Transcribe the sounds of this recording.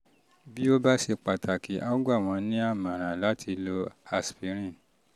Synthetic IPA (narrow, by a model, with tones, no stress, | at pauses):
bi˦o˦ba˦ʃe˧k͡pa˨tʰa˨ki˨˦ʔa˦ɡu˦a˦˨w̃ɔ̃˧nĩ˦a˦˨mã˨ɾ̃ã˨la˨˦tʰi˧lo˧a˧spi˨˦ɾ̃ĩ˦˨